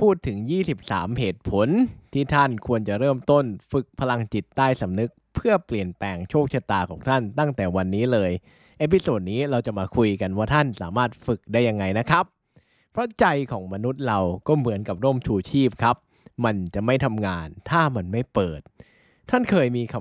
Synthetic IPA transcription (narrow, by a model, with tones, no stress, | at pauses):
pʰuː˥˩t̪ʰːɯ˩˦ŋjiː˥˩si˨˩p̚sa̰ː˩˦mheː˨˩t̪̚pʰo˩˦nt̪ʰiː˥˩t̪ʰa˥˩nkʰu˧ənt͡ɕa˨˩ɾɤː˥˩mt̪o˥˩nfɯ˨˩k̚pʰa˧la˧ŋt͡ɕi˨˩t̪ːaː˥˩jsa˩˦mnɯ˦˥k̚pʰɯ˥˩ɐpli˨˩ənpɛː˧ŋt͡ɕʰoː˥˩k̚t͡ɕʰa˧t̪aː˧kʰɔː˩˦ŋt̪ʰa˥˩nt̪a˥˩ŋt̪ɛː˨˩wa˧nːiː˦˥lɤː˧j | ʔeː˦˥pʰi˧soː˨˩t̪̚niː˦˥ɾa˧wt͡ɕa˨˩maː˧kʰu˧jka˧nwaː˥˩t̪ʰa˥˩nsaː˩˦maː˥˩t̪̚fɯ˨˩k̚daː˥˩jːa˧ŋːa˧jna˦˥kʰɾa˦˥pʰː | ɾɔ˦˥t͡ɕa˧jkʰɔː˩˦ŋma˧nu˦˥t̪̚ɾa˧wkɔː˥˩mɯ˩˦nka˨˩p̚ɾuː˥˩mt͡ɕʰuː˧t͡ɕʰiː˥˩p̚kʰa˦˥p̚ | ma˧nt͡ɕa˨˩ma˥˩jt̪ʰa˧mŋaː˧nt̪ʰaː˥˩ma˧nma˥˩jpɤː˨˩t̪̚ʰː | a˥˩nkʰɤː˧jmiː˧kʰa˧